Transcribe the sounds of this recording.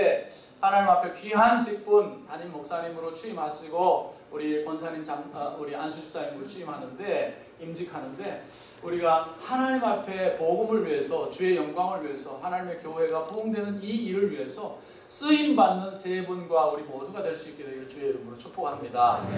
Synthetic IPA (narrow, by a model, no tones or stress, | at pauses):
e | hanaɲimapʰe̞pɥiɦant͡ɕik̚p͈untaɲimːok̚s͈aɲimɯɾot͡ɕʰuimɦaɕʰiɡo | uɾikwʌnsʰaɲimt͡ɕauɾiansʰud͡ʑip̚s͈aɲimɯɾot͡ɕʰuimɦanɯnde̞ | imd͡ʑikʰanɯnde̞ | uɾiɡahanaɲimapʰe̞poɡɯmɯɭɥiɦe̞sʰʌt͡ɕue̞jʌŋɡwaŋɯɭɥiɦe̞sʰʌhanaɲime̞kjoɦwe̞ɡapʰooŋdwe̞nɯniiɾɯɭɥiɦe̞sʰʌ | s͈ɯinbanːɯnsʰe̞bunɡwauɾimʌduɡadwe̞ɭs͈uik͈edwejɯɭt͡ɕueiɾɯmɯɾot͡ɕʰok̚p͈oɡaɦamɲida